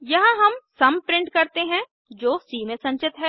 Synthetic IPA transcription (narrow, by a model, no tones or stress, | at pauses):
jɐɦãɦɐmsɐmpɾɪ̃ɳʈkɐɾt̪eɦɛ̃ | d͡ʒoːsiːmẽsɐ̃ɲt͡ʃɪt̪ɦɛː